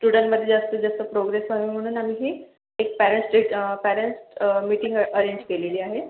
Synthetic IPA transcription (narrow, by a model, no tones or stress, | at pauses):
sʈuɽə̃ɳʈməd̪ʱːjed͡zast̪əd͡zəst̪əpɾoɡɾesʋaʋim̤əɽ̃uːnamiːɦiː | ek̚pæɾəɳʈsʈɾiʈpæɾeɳʈsmiːʈĩŋɡəɾeɲd͡ʑkeleliːaɦe